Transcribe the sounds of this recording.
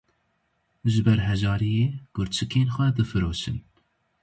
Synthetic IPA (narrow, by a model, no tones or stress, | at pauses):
ʒɨbɛɾɦɛʒɑːɾijeːɡ̥ʊɾt͡ʃʰɨkʰeːnxʷɛd̪ɨfɨɾoːʃɨn